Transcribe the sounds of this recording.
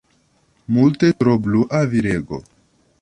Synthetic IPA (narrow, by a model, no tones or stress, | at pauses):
mult̪et̪ɾobluʔaviɾeɡo̰